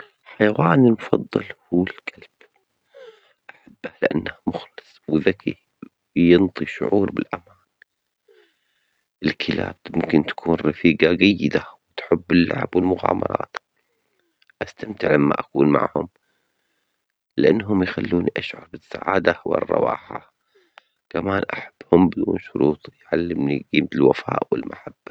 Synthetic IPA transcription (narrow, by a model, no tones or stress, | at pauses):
ħajawaːnilmʊfɑðˤːɑlhuːlkʰalb̥ | ʔaħabːahlɪʔanːahmʊxlɨsˤwðakḭ | jɪnt̪ˤiʃʊ̰ʕuːɾbɪlʔamaːn | ʔɪlkʰɪla̰ːb̚mʊmkɪnt̪ḁkʰuːnɾɑfiːɡaɡajːɪd̪awɪt̪ħɪbːɪlːa̰ʕbwɪlmʊɣɑːmɑɾˤɑ̰ːt̪ | ʔast̪amt̪ɪʕlamːa̰ʔakuːnma̰ʕhʊm | lɪʔanːɦʊmjxalːuːniʔaʃʕɑɾˤbɪsːaʕaːd̪awɪ̰rˤːɑ̰wɑːħa | kamaːnʔaħab̥ːhʊmbɪd̪uːnʃʊɾuːt̪ˤiʕalːɪmniɡiːmt̪ɪlwafaːʔwɪlmʔaħab̥ːa